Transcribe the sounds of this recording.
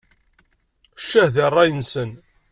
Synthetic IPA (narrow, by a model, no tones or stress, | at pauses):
ʃːæhðɑrˤːɑjənsən